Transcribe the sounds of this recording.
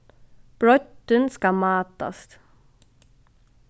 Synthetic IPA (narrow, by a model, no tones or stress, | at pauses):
b̥ɹɔt̪ənskɑmɑːt̪a̰st̪